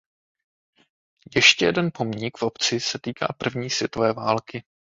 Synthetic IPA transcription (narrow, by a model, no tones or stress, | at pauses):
jɛʃcɛjɛdɛnpo̞mɲɪkfʔo̞pt͡sɪsɛt̪iːka̰ːpr̩vɲiːsvjɛt̪ovɛːvaːlkɪ